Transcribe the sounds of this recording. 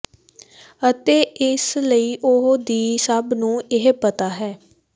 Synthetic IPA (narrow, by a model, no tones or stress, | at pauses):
ət̪eːɪsləiːʔʊɦd̪iːsəbnũːɪɦpət̪aːɦɛː